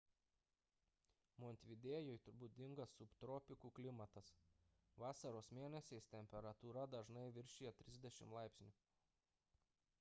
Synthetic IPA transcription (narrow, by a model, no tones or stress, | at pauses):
mɔnʲt̪ʲʋʲɪd̪ʲeːjoɪt̪ʊɾbuːd̪ʲɪŋɡɐsːʊpt̪ɾɔːpʲɪkuːklʲɪmɐt̪ɐs | ʋɑːsɐɾoːsmʲeːnʲɛsʲɛɪst̪ʲɛmʲpʲɛɾɐt̪uːɾɐd̪ɐʒnɐɪʋʲɪɾʲʃʲiːjɛt̪ʲɾʲɪzʲd̪ʲɛʃʲɪ̰mlˠɑˑɪpʲsʲnʲʊ